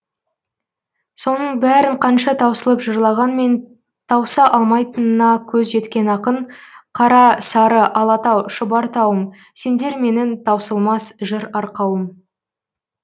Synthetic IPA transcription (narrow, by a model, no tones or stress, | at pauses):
so̞nəɴbæɾɪɴqʰɑnʃɑt̪ʰɑwsəlˠəpʒəɾlˠɑʁɑnme̞n | t̪ʰɑwsɑʔɑlˠmɑjt̪ənənɑkʲʰɵzʒe̞t̪kʲe̞nɑqəɴqʰɑɾɑsɑɾəʔɑlˠɑt̪ɑwʃəbɑɾt̪ʰɑwəm | se̞nd̪e̞ɾme̞nɪnt̪ʰɑwsəlˠmɑsʒəɾɑɾqɑwəm